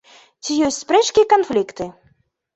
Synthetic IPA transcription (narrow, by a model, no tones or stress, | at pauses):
t͡sʲijɔsʲtʲspɾɛt͡ʂkʲiɛkanflʲikt̪ɨ